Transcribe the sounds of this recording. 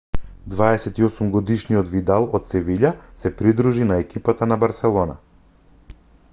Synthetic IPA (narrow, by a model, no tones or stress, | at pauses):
d̪vaɛsɛt̪iɔsumɡɔd̪iʃnijɔd̪vid̪alˠot̪sɛviʎasɛpɾid̪ɾuʒinaɛkipat̪anabaɾsɛlˠɔna̰